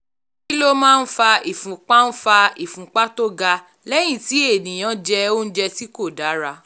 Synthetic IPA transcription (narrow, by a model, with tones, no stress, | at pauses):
ki˦lo˦mãː˦˧n̩˦fa˧i˨fũ˨k͡pa˦n̩˦fa˧i˨fũ˨k͡pa˦to˦ɡa˧ | lɛ˦j̃ĩ˦˨ti˨˦e˦˨nĩ˨j̃ã˨˦d͡ʒɛ˧o˦n̩˦d͡ʒɛ˧ti˦ko˦˨da˨˦ɾa˧